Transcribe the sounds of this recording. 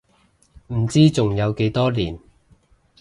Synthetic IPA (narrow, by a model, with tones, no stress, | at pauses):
m̩˨˩t͡siː˥t͡sʊ˨ŋjɐ˨˧wke˨˧˥jt̪ɔː˥liː˨˩n